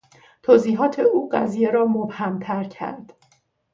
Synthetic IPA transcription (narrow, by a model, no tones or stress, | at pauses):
t̪ʰoːziːɦɒːt̪ʰeuːɢæ̰zije̞ɾɒːmobhæmt̪ʰæɾcʰæ̰ɾd̪̥